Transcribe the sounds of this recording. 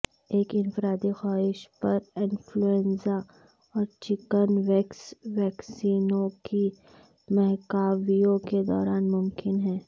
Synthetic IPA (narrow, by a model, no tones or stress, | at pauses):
eːkɪnfɾaːd̪ixaːɦɪʃpɐɾɪ̃nfluɛ̃nsa | ɔːɾt͡ʃɪkənʋɛːksʋɛːksiːnõki | mɛɦkaːwijõked̪ɔ̰ːɾaːnmʊmkɪnɦɛ̃ː